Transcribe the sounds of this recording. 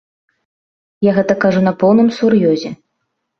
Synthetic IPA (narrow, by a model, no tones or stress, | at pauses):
jaɣɛt̪ɐkaʐunɐpɔwnɨmsurjɔzʲɛ